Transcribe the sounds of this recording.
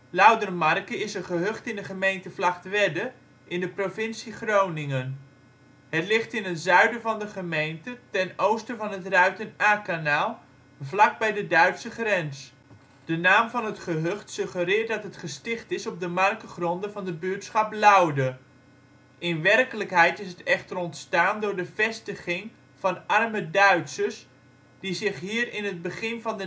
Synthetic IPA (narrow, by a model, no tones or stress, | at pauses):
lɑwdərmɑrkəɪsəχəɦɵχtɪndəχəmejntəvlɑχtʋɛdə | ɪndəprovɪnsiχrownɪŋən | ɦətlɪχtɪnɦətzœɥdəvɑndəχəmejntətɛnowstəvɑnɦətrœɥtənaːkanaːlˠ | vlɑk̚bɛjdədœɥtsəχrɛns | d̥ənaːmvɑnɦətχəɦøχtsɵχərɪːɹt̚dɑtɦətχəstɪχtɪsɔb̚dəmɑrkəχrɔndəvɑndəbʏtsχɑplɑwdə | ʔɪnʋɛrkələkɦɛjtɪsɦətɛχtərɔntstaːndʊːɹdəv̥ɛstəχɪŋ | v̥ɑnɑrmədœɥtsəs | d̥izɪχɦiːrɪnɦəd̚bəχɪnvɑndə